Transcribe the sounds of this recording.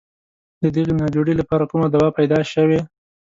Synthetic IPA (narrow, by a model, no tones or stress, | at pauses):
d̪əd̪əɣenɑd͡ʒoɽilapɑɾakumad̪awɑpajd̪ɑʃəwe